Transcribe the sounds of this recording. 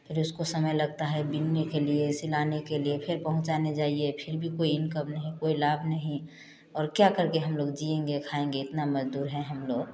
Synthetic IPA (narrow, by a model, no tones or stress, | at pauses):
pʰɪɾʊskosɐməjlɐɡ̚t̪aɦɛbɪnːekeliesɪlaːnekeliepʰɪɾpɐɦʊ̃t͡ʃaned͡ʒaːiepʰɪɾbʱikoːiɪnkəbnɐɦĩkoːilaːbʱnɐɦĩ | ɔːɾkjakəɾkeɦɐmloːɡd͡ʒiẽːŋɡekʰaẽːŋɡeɪt̪namɐd͡ʒd̪uːɾɦɛ̃ɦɐmloːɡ